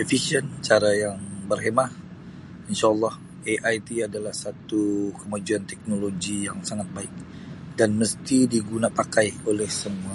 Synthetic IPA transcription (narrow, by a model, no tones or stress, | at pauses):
efisiənt͡ʃaɾajaŋbərɦemah | inʃaːlˠːɑh | eʔajt̪iadalahsat̪ukəmad͡ʒuant̪ɛk̚noloɡijaŋsaŋat̪̚baɪk̚ | danməst̪idiɡunapakajolɛhsəmua